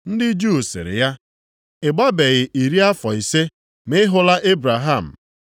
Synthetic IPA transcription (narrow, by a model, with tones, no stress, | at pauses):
n̩˦dɪ˦d͡ʒu˦˨sɪ̰˨ɾɪ̰˨ja˦ | ɪ˨ɡ͡ba˦be˨ɣɪ˨ʔi˨ɾi˦a˦fɔ˨i˨se˦ | mɪ˦ɦʊ˦la˦ʔe˦bɾa˨ɦa˦˨m̩˨